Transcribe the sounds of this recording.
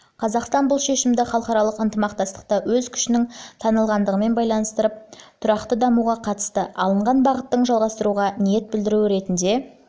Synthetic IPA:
qʰɑzɑqst̪ɑnbʊlˠʃe̞ʃɪmd̪ɪχɑlˠəχɑɾɑlˠəqənt̪əmɑq̚t̪ɑst̪ə̥q̚t̪ɑwɵzkʲʰʏ̥ʃɪnɪŋt̪ʰɑnəlˠʁɑnd̪əʁəme̞nbɑjlˠɑnəst̪əɾəp̚t̪ʰʊɾɑqt̪əd̪ɑmuʁɑqʰɑt̪ə̥st̪əɑlˠəɴʁɑnbɑʁət̪ːəɴʒɑlˠʁɑst̪əɾuʁɑnije̞t̪̚bɪld̪ɪɾuwɪɾe̞t̪ɪnd̪e̞

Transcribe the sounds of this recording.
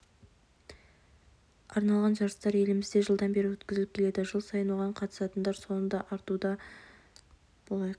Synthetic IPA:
ɑɾnɑlˠʁɑnʒɑɾəst̪ɑɾe̞lɪmɪzd̪e̞ʒəlˠd̪ɑnbe̞ɾɪwɵt̪kʲɪzɪlɪp̚kʲʰe̞le̞d̪ɪʒəlˠsɑjənwoʁɑɴqʰɑt̪ə̥sɑt̪ənd̪ɑɾso̞nənd̪ɑʔɑɾt̪ud̪ɑ | b̥olˠɑjq

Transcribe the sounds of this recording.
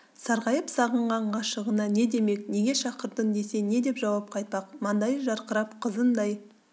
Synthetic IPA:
sɑɾʁɑjəpsɑʁəɴʁɑɴʁɑʃəʁənɑne̞d̪e̞me̞k̚ne̞ɡʲe̞ʃɑqəɾd̪ənd̪e̞se̞ne̞d̪e̞pʒɑwɑp̚qʰɑjt̪̚pɑqmɑnd̪ɑjəʒɑɾqəɾɑpqʰəzənd̪ɑj

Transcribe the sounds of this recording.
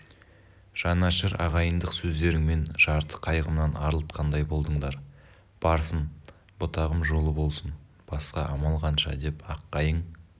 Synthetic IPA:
ʒ̥ɑnɑʃəɾɑ̰ʁɑjənd̪əqsɵzd̪e̞ɾɪŋme̞nʒ̥ɑɾt̪ʰə̥qʰɑjʁəmnɑnɑɾəlˠət̪qʰɑnd̪ɑjbo̞lˠd̪əɴd̪ɑɾ | b̥ɑɾsən | bot̪ʰɑʁəmʒo̞lˠəbo̞lˠsən | b̥ɑsqɑʔɑmɑlˠʁɑnʃɑ̰d̪e̞pɑqːɑjəɴ

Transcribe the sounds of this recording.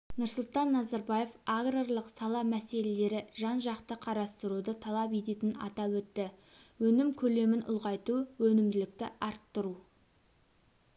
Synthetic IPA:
nʊɾsʊlˠt̪ɑnːɑzɑɾbaje̞faɡrorlˠəqsɑlˠɑmæse̞le̞le̞ɾɪʒɑnʒɑqt̪əqʰɑɾɑst̪əɾud̪ət̪ʰɑlˠɑpe̞t̪e̞t̪ɪnɑ̰t̪ɑwɵt̪ːɪwɵnɪmkʲʰɵle̞mɪnʔʊ̰lˠʁɑjt̪uwɵnɪmd̪ɪlɪk̚t̪ɪ̰ʔɑɾt̪ːəɾu

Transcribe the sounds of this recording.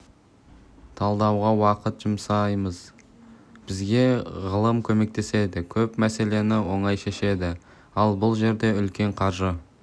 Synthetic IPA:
t̪ʰɑlˠd̪ɑwʁɑwɑqət̪ʒ̥əmsɑjməz | b̥ɪzɡʲe̞ʁəlˠəmkʲʰɵme̞k̚t̪ʰe̞se̞d̪ɪkʲʰɵpmæse̞le̞nɪwo̞ɴɑjʃe̞ʃe̞d̪ɪ | ɑlˠbʊlˠʒe̞ɾd̪e̞ʏlkʲe̞ɴqʰɑɾʒə

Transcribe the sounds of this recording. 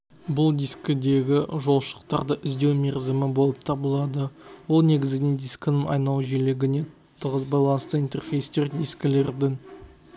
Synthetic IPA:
bʊlˠd̪ijskʲɪd̪e̞ɡʲɪʒo̞lˠʃə̥qt̪ɑɾd̪əʔʏzd̪e̞wme̞ɾzɪmɪbo̞lˠəp̚t̪ʰɑbəlˠɑd̪əwo̞lˠne̞ɡʲɪzɡɪned̪iskʲɪnɪŋɑ̰jnɑlˠʒeleɡʲɪne̞t̪ʊt̪ʰːəʁəzbɑjlˠɑnəst̪əint̪e̞rfʲejst̪e̞rd̪iskʲɪle̞ɾd̪ɪŋ

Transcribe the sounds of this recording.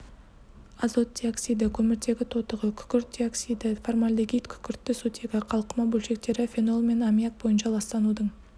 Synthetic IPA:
ɑzo̞t̪̚d̪ʲioksijd̪əkʲʰɵmɪɾd̪e̞ɡʲɪt̪ʰo̞t̪əʁəkʲʰʏ̥kʲɪɾt̪̚d̪ʲioksid̪ɪformalʲd̪əɡʲijt̪kʲʰʏ̥kʲɪɾt̪ːɪsɵt̪ʰe̞ɡʲɪqʰɑlˠqəmɑbɵlʃe̞k̚t̪e̞ɾɪfʲeno̞lˠme̞namijak̚bo̞jənʃɑlˠɑst̪ɑnud̪əɴ

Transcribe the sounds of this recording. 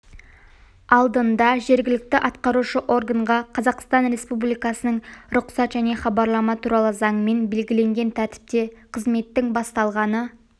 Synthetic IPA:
ɑlˠd̪ənd̪ɑʒe̞ɾɡʲɪlɪk̚t̪ɪʔɑt̪qɑɾuʃəʔo̞rɡaɴʁɑqʰɑzɑqst̪ɑnɾe̞spublˠijkɑsənəɴɾʊqsɑt̪ʒæne̞χɑbɑɾlˠɑmɑt̪ʰuɾɑlˠəzɑɴme̞nbe̞lɡʲɪle̞ŋɡʲe̞nt̪ʰæɾt̪ɪ̥p̚t̪e̞qʰəzme̞t̪ːɪŋbɑst̪ɑlˠʁɑnə

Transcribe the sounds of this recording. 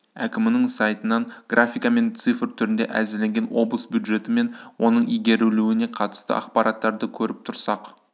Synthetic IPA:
ækʲɪmɪnɪŋsɑjt̪ənɑɴɡ̥rʔafʲijkɑme̞nt̪sɨfrt̪ʰʏɾɪnd̪e̞̰ʔæ̰zɪɾle̞ŋɡʲe̞nwo̞̰blˠəsbjud̪ʒe̞t̪ɪme̞nwo̞nəɴijɡʲe̞ɾuluwɪne̞qʰɑt̪ə̥st̪ə̰ʔɑqpɑɾʔɑt̪ːɑɾd̪əkʲʰɵɾɪp̚t̪ʰʊɾsɑq

